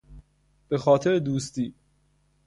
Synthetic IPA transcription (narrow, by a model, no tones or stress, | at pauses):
b̥e̞xɒːt̪ʰe̞ɾed̪uːst̪iː